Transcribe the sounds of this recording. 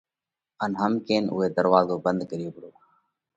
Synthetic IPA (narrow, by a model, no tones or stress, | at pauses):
ənɦəmkeːnʊ̰ːɦeːd̪əɾʋaːzoːbənd̪̚kəɾɪjoːpəɽoː